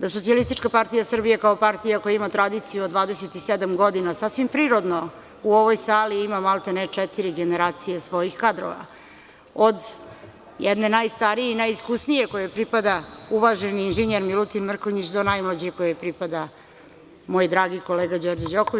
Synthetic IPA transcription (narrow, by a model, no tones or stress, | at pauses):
d̪asosialˠist̪it͡ʃkapaɾt̪ijasr̩bijekaopaɾt̪ijakojaimat̪ɾad̪it̪sijuod̪ʋaːd̪eset̪ised̪amɡo̞d̪inasasʋimpɾiːɾod̪no | uo̞ʋo̞jsaːliimamalˠt̪enet͡ʂɛt̪iɾiɡeneɾaːt̪sijesʋo̞jixkad̪ɾo̰ʋa̰ | od̪ | jɛd̪ne̞najst̪aɾijeinaːjiskusnije̞kojepɾipad̪auʋaʒeniːnʒiɲeɾmilut̪inmr̩koɲit͡ɕd̪onajmlad͡ʑekojepɾipad̪a | mo̞jd̪ɾaːɡiko̞leːɡad͡ʑo̞ɾd͡ʑad͡ʑokoʋi